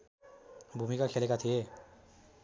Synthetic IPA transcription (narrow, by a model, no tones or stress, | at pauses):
bʱumikakʰelekat̪ʰije